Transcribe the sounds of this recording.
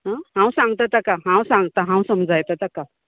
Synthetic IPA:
ɦãɦãw̃sãŋɡ̚t̪at̪akaɦãwsãŋɡt̪aɦãw̃səmd͡zajt̪at̪aka

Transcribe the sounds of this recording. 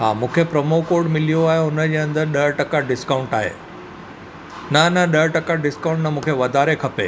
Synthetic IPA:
ɦa̰ːmũːkʰepɾɐmokoːɾɖmɪlijoaːɦeʊnəd͡ʑeːɐ̃nd̪əɾɗɐɾʈɐkaɖɪskaːʊ̃ɳʈaːɦḛː | nɐnɐɗɐʈɐkaɖɪskãːʊ̃ɳʈnɐmũːkʰeʋɐd̪aːɾekʰɐpeː

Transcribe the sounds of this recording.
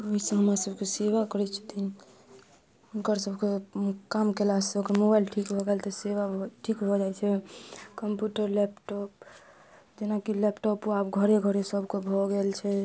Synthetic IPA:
oɦisə̃ɦəmɾasəbkeseʋakəɾɛt͡ʃʰu̥t̪in | unkəɾsəbʱkekamkelasokəɾmobajlʈʰikbʱɔɡelt̪ɔseʋaʈʰikbʱod͡ʒajt͡ʃʰɛkəmpjuʈəɾlɛpʈɔp̚ | d͡ʒenakilepʈɔpoabɡʱəɾeɡʱəɾesəbʱkebʱoɡelt͡ʃʰɛ

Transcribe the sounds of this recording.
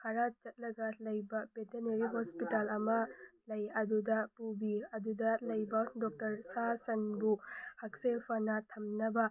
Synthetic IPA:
hɐɾat͡ʃɐt̚lɐɡɐlɐjbɐbeteɾneɾiɦospitalɐmɐlɐjɐdudɐpubiɐdudɐlɐjbɐdɔk̚tɐɾsasɐnbuhak̚selpʰɐnɐtʰɐmnɐbɐ

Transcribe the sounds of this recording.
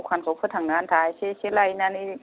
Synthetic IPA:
kʰankʰawpʰɯt̪ʰːaŋnant̪ʰajseselajnani

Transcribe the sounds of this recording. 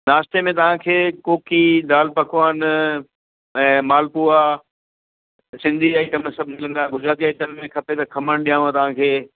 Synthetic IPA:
naːst̪emẽt̪ɐʋ̤ãkʰeːkoːkid̪aːlpɐkʰʊaːn | ɛ̃ːmaːlpua | sɪ̃nd̪ʱiaːit̪ɐmẽsɐbʱlɐ̃ŋɡaɡʊd͡ʑɾaːt̪iaːit̪ɐmmẽkʰɐpet̪ɐkʰɐməɽ̃ɗijãːũãt̪ɐʋ̤ãkʰeː

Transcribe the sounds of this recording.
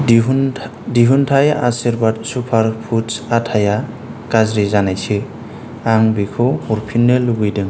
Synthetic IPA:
diɦuntʰaja̰siɾbadsupʰaɾpʰutsatʰaja | kazɾizanajsɯ | aŋbikʰɔuɾpʰinːɯluɡɯjdɯŋ

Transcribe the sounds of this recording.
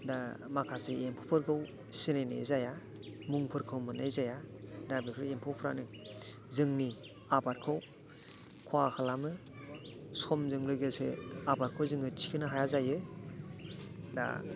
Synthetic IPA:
damakʰaseempʰɔpʰɯɾkʰɯw | sinenḛzaja | muŋpʰɯɾkʰɯwmɯnajzajadabipʰɯɾempʰɯwpʰɾa̰nɯ | zɯŋni | abaɾkʰɯw | kʰwakʰalamɯ | sɔmzɯŋlɯɡeseabaɾkʰɯwzɯŋɯtʰi̥kʰinɯɦajazajɯ | da̰

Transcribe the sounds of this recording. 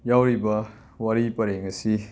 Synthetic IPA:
jawɾibɐ | wɐɾipɐɾeŋɐsi

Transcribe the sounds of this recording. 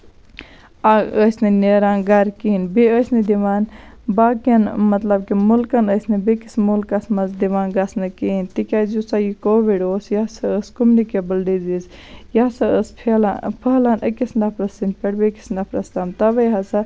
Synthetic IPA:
aəsʲnɐneːɾanɡɐɾkiːnbeəsnid̪iʋaːn | baːkjɐnmɐt̪lɐbkimulkɐnəːsnɐbekismulkɐsmɐnzd̪iʋaːnɡɐsnɐkiːnt̪ikʲazusajikoːʋiɖoːsjasɐəskumnikebəlɖizizjasɐəspʰelapʰəɦlanʔəkisndɐpɾɐsinpeɽbeki̥sndɐpɾɐst̪amt̪ɐbɐjɦɐsɐ

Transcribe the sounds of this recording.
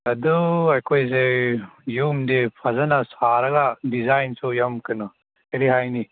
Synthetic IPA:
ɐduɐjkʰojz̬ejumdepʰɐzɐnasaɾɐɡadizajnsujɐmkɯnɔ | eɾiɦajni

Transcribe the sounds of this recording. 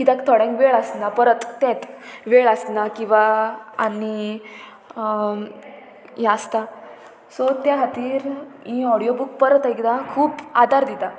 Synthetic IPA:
kid̪akt̪ʰɔɽɛ̃ŋkʋeɭəsnapəɾət̪ːɛ̃t̪ʋeɭasnakĩw̃ʋaːni | jast̪a | sɔt̪jaɦat̪iːɾĩɔɽijobuk̚pəɾət̪aikd̪akʰuːpad̪ʱaɾd̪id̪a

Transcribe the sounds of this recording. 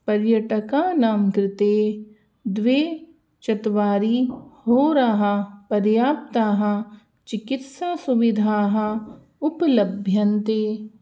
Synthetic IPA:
pɐɾjɐʈəkanaːmkɾɪt̪eː | d̪ʋeː | t͡ʃɐt̪ʋaːɾihoːɾaɦapɐɾjaːp̚t̪aːɦɐ | t͡ʃɪkɪt̪saːsuʋɪd̪ʱaːɦɐ | ʊpləbʱjɐnt̪eː

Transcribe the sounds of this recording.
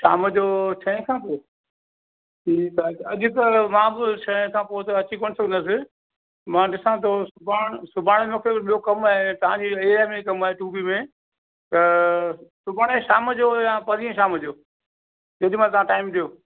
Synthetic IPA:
ʃa̰ːməd͡ʑoːt͡ɕʰɐẽkʰãːpo | ʈʰiːtaekɐʄʊ̆t̪ɐmãːbɪt͡ʃʰɐɦɪ̃kʰãːpoːt̪ɐɐt͡ɕikoːnɪsɐɡʱənd̪asɪ | mãːɗɪsãt̪ʰosʊbʱaːɽ̃sʊbʱaːɽ̃mẽkʰeɓijokɐmaːɦet̪ɐʋ̤ãd͡ʑiːeːɾamẽikɐmaːɦeʈuːbimẽ | t̪ɐ | sʊbʱaːɽ̃eʃaːməd͡ʑoːjãːpɐɾiẽʃaːməd͡ʑoː | d͡ʑɐʄɪmãt̪ɐʋ̤ãʈaːɪmɗijoː

